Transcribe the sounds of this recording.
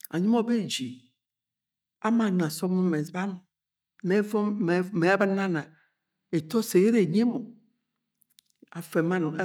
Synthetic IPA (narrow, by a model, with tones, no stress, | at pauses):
a̰˨ɲĩ˦mɔ˦˨be˦˨d͡ʒi˨ | a˦mã˨n˨ã˨sɔ˦mõ˦me˨sba˦mo˨ | me˦vɔ˦˨me˨˦ba˦nã˦nã˨ | e˨t̪ɔ˦se˨ɣe˦ɾe˨ɲ˦e˦mo˨ | a˨fe˨ma˦n˨˦